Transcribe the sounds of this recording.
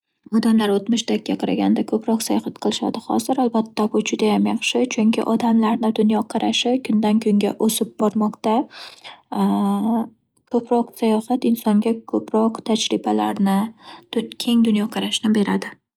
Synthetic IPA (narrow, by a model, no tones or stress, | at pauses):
ɒd̪amlaɾot̪mʊʃt̪akʲːaqʰɑɾa̰ɡʲand̪akʰɵpɾɒqsajɒhat̪qʰɨlˠɪʃa̰d̪ɪχɒ̰zɪɾalbat̪ːabʊd͡ʒʊd̪ajamjɑχʃɪt͡ʃʰʊŋkʲʰɪ̰ʔɒd̪amlaɾnɪd̪ʊnjɒqʰɑɾaʃɪkʰʊnd̪ankʰʊŋɡʲaʔosɪb̚bɒɾmɒqt̪a | kʰɵpɾɒqsajɒhat̪ɪnsɒŋɡʲakʰɵpʰɾɒqt̪ʰad͡ʒɾɪbalaɾnɪ | kʲʰe̞ŋd̪ʊnjɒqʰɑɾaʃɪnɪbe̞ɾad̪ɪ